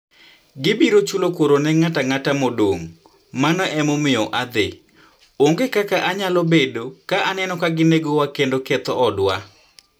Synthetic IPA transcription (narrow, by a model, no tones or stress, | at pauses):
ɡɪbiɾot͡ʃulokwoɾonɛŋataŋatamodoŋ | manɔʔɛmɔmɪɔʔad̪ḛ | oŋɡekakaʔaɲalɔbedokaʔanɛnɔkaɡɪneɡowakendokɛt̪ɔɔdwa̰